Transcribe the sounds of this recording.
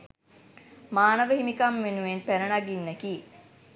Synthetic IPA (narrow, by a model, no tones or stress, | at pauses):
maːnəʋəɦimikamʋenuʋenpæɾənaɡinːeki